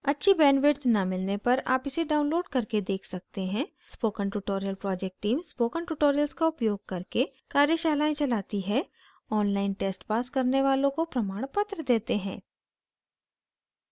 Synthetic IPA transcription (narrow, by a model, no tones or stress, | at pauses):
ɐtːʃʰibɛ̃ːnʋɪɾt̪ʰnɐmɪlnepɐɾa̰ːpɪseɖaːʊ̃nloːɖkɐɾked̪eːkʰsɐk̚t̪eɦɛ̃ː | spoːkəɳʈuʈoːɾijəlpɾɔːd͡ʒɛk̚ʈʈːiːmspoːkənʈuːʈoːɾijəlskaʊpjoːɡ̚kɐɾke | kaːɾjəʃaːlaːẽt͡ʃɐlaːt̪iɦɛ | ɔːnlaːɪnʈeːsʈpaːskɐɾneʋaːlõkopɾɐmaːɽ̃pɐt̪ɾəd̪eːt̪eɦɛ̃ː